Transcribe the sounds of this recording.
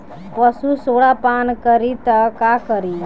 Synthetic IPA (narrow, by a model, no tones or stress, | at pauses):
pəsusoɽapankəɾit̪əkakəɾi